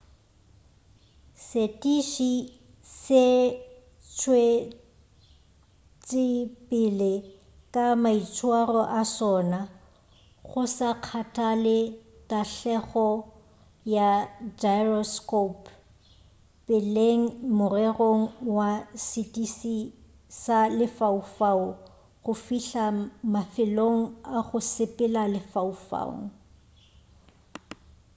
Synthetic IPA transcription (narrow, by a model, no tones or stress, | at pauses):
setʼiʃi | se | t͡ʃʰwe | t͡sʼɪpʼɪle | kʼamait͡sʰʼwarɔʔasɔːna | ɣʊsaq͡χʰatʼʰalɪ | tʼaɬɛɣɔ | jad͡ʒajrɔskop | pʼɪleŋ̩mʊrɛroŋ̩wasitʼisi | salɪfaufaʊ | ɣʊfiɬamafɪloŋ̩aɣʊsɪpʼɪlalɪfaufa̰ʊ̰ŋ̩